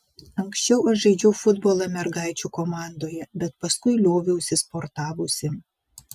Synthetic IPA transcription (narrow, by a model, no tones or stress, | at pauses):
ɐŋksʲt͡ʃʲɛʊɐʃʒɐɪd͡ʒʲɛʊfʊd̪boːlˠɐmʲɛɾɡɑˑɪt͡ʃʲuːkomɑˑnd̪oːjɛbʲɛt̪pɐskʊɪlʲoːʋʲʊʊsʲɪspoɾt̪ɑːʋoːsʲɪ